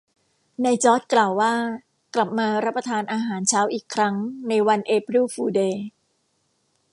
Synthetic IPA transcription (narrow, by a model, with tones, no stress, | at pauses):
na˧jt͡ɕɔː˦˥t̪̚klaː˨˩wːaː˥˩ | kla˨˩p̚maː˧ɾa˦˥pːɾa˧t̪ʰaː˧nʔaː˧ɦaː˩˦nt͡ɕʰaː˦˥wʔiː˨˩kʰɾa˦˥ŋna˧jwa˧nʔeː˧p̚ɾuː˥˩fuː˧deː˧